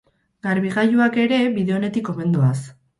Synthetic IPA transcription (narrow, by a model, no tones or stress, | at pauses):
ɡaɾβiɣajuake̞ɾe̞βiðe̞o̞ne̞t̪iko̞me̞nd̪oas